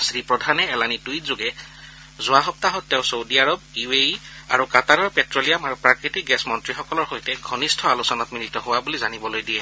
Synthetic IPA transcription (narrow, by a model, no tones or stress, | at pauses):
sɹipɹɔdʱanɛːlanitujtzoɡɛ | zʊwaɦɔp̚taɦɔtːɛʊ̃sowdiaɹɔbiweia̰ɹukataɹɔɹpɛtɹolijamaɹupɹakɹitik̚ɡɛsmɔntɹixɔkɔlɔɹxojtɛɡʱɔnistʰɔalusɔnatminitɔɦowabulizanibɔlojdijɛ